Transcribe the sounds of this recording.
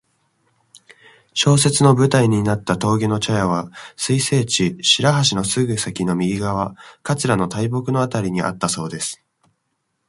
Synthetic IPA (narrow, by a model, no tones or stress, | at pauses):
ɕo̞ːse̞t͡sɨno̞bɯ̟t̪aiɲ̟inat̪ːat̪o̞ːɡʲeno̞t͡ɕajaβasɨise̞ːt͡ɕiɕiɾaɦaɕ̬ino̞sɨɡɯ̟sakʲino̞mʲiɡʲiɡaβ̞akat͡sɨɾano̞t̪ʰaibo̞kɯ̟no̞at̪aɾʲiɲ̟iʔa̰t̪ːaso̞ːd̪e̞sɨ̥